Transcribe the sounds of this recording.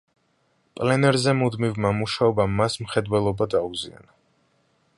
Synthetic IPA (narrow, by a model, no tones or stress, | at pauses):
pʼlɛnɛɾzɛmud̪mivmamuʃaɔbamːasmχɛd̪wɛlˠɔbad̪auzḭa̰na